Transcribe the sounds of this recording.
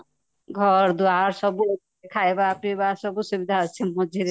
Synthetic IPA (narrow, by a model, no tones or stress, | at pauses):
ɡʱɔɾd̪uaɾsɔbue | kʰaebaːpnibasɔbusubid̪ʱaat͡ʃʰemɔd͡ʒʱiɾe